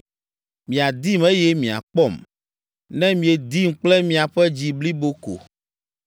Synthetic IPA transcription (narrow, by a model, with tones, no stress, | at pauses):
mĩ˨a˨d̪i˦mɛ˦jɛ˦mĩ˨a̰˨k͡pɔ˦˨m | nɛ̃˦mĩ˨e˨d̪i˦m̩˦k͡plɛ˦mĩ˨a˨ɸɛ˦d͡ʑi˨bli˦bo˦ko̰˨